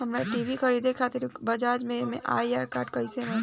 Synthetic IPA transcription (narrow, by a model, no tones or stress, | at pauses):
ɦɐmnaʈiːʋixɐɾiːd̪ekʰaːt̪ɪɾbɐd͡ʒaːd͡ʒmẽmḛ̃ʔa̰ːijaːɾkaːɾʈkɐɪsenẽ